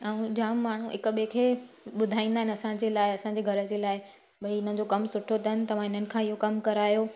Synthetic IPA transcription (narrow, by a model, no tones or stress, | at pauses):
ɛũd͡ʑãːmmaːɳ̤ṵɪkɓekʰe | ɓʊd̪ʱaːĩːnd̪aːɦɪnɪɐsãd͡ʑeːlaːɪɐsãɲd͡ʑeɡʱɐɾə̆d͡ʑeːlaːɪ | ɓɐiɪn̤əd͡ʑokɐmsʊʈʰot̪ɐɦnɪ̆t̪ɐʋ̤ãɦɪn̤ənɪ̆kʰãːɪɦokɐmkɐɾaːjo